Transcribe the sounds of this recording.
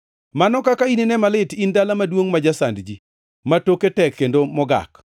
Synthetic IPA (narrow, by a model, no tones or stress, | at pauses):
manɔkakainenɛmalɪtindalamadwoŋmad͡ʒasandd͡ʒi | matoketɛkːendomɔɡa̰k